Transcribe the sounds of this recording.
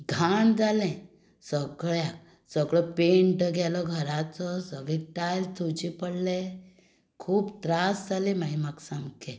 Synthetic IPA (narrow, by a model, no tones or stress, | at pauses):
ɡʱand͡zalɛ̃ | səɡɭjak | səɡɭɔpeɳʈəɡɛlɔɡʱəɾat͡sɔsəɡɭɛ̃ʈajlt̪ʰut͡ɕipəɽle | kʰuːbt̪ɾasd͡zalɛ̃maimaksamkɛ